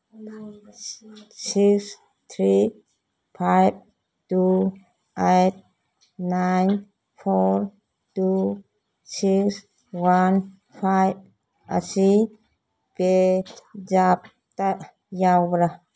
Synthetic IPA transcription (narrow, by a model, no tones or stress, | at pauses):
siks | t̪ʰɾi | pʰajb̚ | tu | ejt̚ | najn | pʰoɾ | tu | siks | wan | pʰajb̚ | a̰si | pe | d͡ʒap̚ | t̪a | jawwɾa